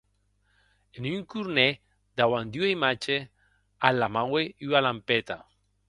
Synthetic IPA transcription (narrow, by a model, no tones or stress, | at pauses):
enyŋkuɾne | d̪awand̪uejmat͡ʃe | alamaweyalampet̪a